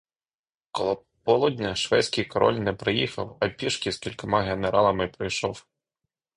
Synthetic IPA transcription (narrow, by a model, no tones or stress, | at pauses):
kɔlˠɔ | pɔlˠudʲnʲɐʃʋɛt͡sʲkɪjkɔɾɔ̰lʲnɛpɾɪjixɐwɐpʲiʃkʲiskʲilʲkɔmɑɦeneɾɑlˠɐmɪpɾɔjʃɔw